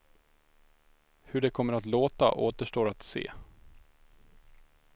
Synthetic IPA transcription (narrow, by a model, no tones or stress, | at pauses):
hɵɖɛkʰɔmːəɾat̪loːt̪a̰ʔoːt̪əʂʈoːɾat̪sḛː